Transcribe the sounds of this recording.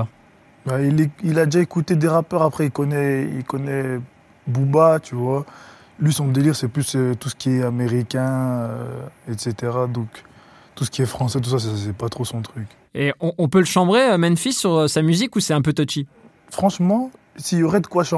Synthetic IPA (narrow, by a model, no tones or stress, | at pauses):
baileilad̪eʒaekut̪ed̪eʁapœʁapχɛilkɔnɛḭlkɔnɛ | bubat̪yvwa | lɥisɔ̃d̪eliʁsɛplysøt̪usə̥kʲiɛameʁikʲɛ̃øɛt̪set̪eʁad̪ɔ̃k | t̪usə̥kʲiɛfχɑ̃sɛt̪̬usas̬ɛsɛpat̪χosɔ̃t̪χyk | eɔ̃ʔɔ̃pøləʃɑ̃bʁeømɛnfisyʁøsamyzikusɛɛ̃pøt̪ɔt͡ʃi | fχɑ̃ʃmɑ̃ | silɔʁɛd̪əkwaʃɑ̃